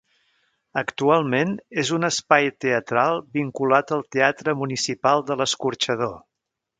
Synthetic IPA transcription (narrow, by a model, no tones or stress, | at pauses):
əkt̪ualˠmenezunəspajt̪eət̪ɾalˠbiŋkulat̪əlˠt̪eat̪ɾəmunisipalˠd̪ələskuɾt͡ʃəð̞o